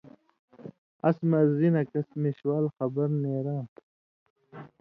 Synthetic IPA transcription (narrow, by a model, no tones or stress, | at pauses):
ɐ̰smɐɾzinɐkɐsmiɕwaːlxɐbɐɾneːɾãː